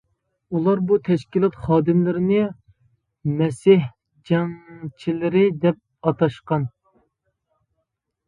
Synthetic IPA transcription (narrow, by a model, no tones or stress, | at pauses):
ulˠɑɾbut̪ʰɛʃkʲilˠɑt̪χɑːd̪ɪmlɪɾɪnɪ | mɛsɪh | d͡ʒɛŋt͡ʃʰilɪɾɪd̪ɛp̚ɑt̪ɑʃqɑn